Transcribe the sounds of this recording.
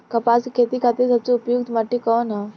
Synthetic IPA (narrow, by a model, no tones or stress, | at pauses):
kɐpaːskʰeːt̪ikʰat̪esɐbseʊpjuk̚t̪mɐʈːikɔːnɦɛ